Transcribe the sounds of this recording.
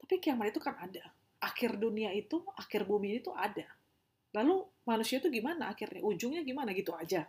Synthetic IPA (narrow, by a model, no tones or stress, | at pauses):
t̪apikijamaɾit̪ukanada | ʔakɪrduniait̪uakɪrbuminit̪uada | lalumanusiat̪uɡimanaːkɪrɲa̰ʔud͡ʒʊŋɲaɡimanaɡit̪uad͡ʒa